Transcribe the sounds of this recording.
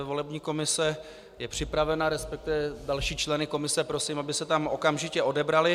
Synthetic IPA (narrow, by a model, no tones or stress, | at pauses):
vo̞lɛbɲiːko̞mɪsɛ | jɛpr̥ɪpɾavɛnaɾɛspɛk̚t̪ɪvɛdalʃiːt͡ʃlɛnɪko̞mɪsɛpɾo̞siːmabɪsɛt̪amʔo̞kamʒɪcɛo̞dɛbɾalɪ